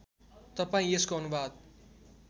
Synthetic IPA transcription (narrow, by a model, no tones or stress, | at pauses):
t̪ʌpaĩeskoʌnubad̪̚